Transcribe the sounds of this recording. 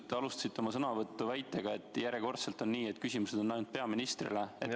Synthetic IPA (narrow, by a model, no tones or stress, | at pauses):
t̪ːeɑlust̪ɑ̥sit̪ːeo̞mɑsɤnɑvɤt̪ːuvæjt̪ːˑe̞ɡ̥ɑe̞t̪ːˑjæɾje̞ko̞rt̪se̞lt̪ːˑo̞nːiːet̪ːˑkysʲimuse̞d̪̥o̞nːæjnud̪̚peɑminist̪rḭlee